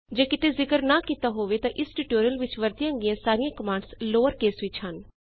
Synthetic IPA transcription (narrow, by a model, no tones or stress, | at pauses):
d͡ʒeːkɪt̪eːzɪkəɾnaːkiːt̪aːɦoːʋeːt̪ãːʔɪsʈuːʈoːɾijəlʋɪt͡ʃʋəɾt̪ɪjãːɡijãːsaːɾijãːkəmãːɳɖsloːəɾkeːsʋɪt͡ʃhən